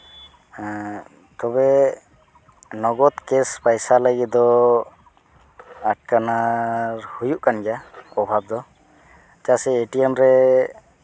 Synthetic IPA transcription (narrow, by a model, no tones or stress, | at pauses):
t̪ɔbɛ | nɔɡɔt̪kɛspajsalaɡid̪ɔ | aʈ̚kanaɾhujuʔkanɡɛjapɔbʱab̚d̪ɔ | tasɛeʈiɛmɾɛ